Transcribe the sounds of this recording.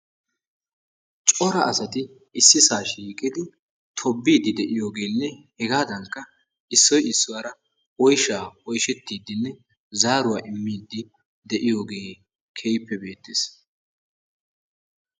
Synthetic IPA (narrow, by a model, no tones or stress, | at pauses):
t͡ʃʼɔɾɐʔɐsɐt̪ɪ | ʔɪsːɪsaːʃiːkʼɪd̪ɪ | t̪ʰɔbːiːd̪ɪd̪ɛʔɪjo̞ːɡe̞ːnːɛhɛɡaːd̪ɐŋkːɐ | ɪsːɔjɪsːʊwaːɾɐ | ɔjʃaːɔjʃɛt̪ːiːd̪ːɪnːɛ | zaːɾʊwaːʔɪmːiːd̪ːɪ | d̪ɛʔɪjo̞ːɡe̞ː | kʰejpːɛbe̞ːt̪ːɪs